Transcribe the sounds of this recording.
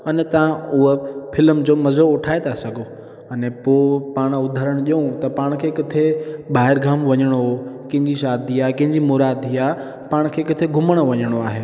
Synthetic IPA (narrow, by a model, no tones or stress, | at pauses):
ɐnɛt̪ɐʋ̤ãʊɦəfɪlmd͡ʑoːmɐzoʊʈʰaːet̪ʰasɐɡʱo | ɐnɛpoːpaːɽ̃ʊd̪ʱəɾəɽ̃ʄiũt̪ɐpaːɽ̃kʰeːkɐt̪ʰeɓaːɦɪɾɡʱaːmʋɐɲəɽ̃okɐ̃ɦɪ̃ɲd͡ʑiʃaːd̪ʱiaːɦkɪ̃ɦɪ̃ɲd͡ʑimoːɾaːd̪ʱiaːɦe | paːɽ̃kʰeːkɐt̪ʰeɡʱʊməɽ̃oʋɐɲəɽ̃oaːɦeː